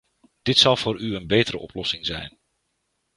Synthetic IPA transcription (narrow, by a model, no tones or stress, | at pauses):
d̥ɪtsɑlˠvʊːɾyənbejtəɾə̰ʔɔplɔsɪŋzɛ̰jn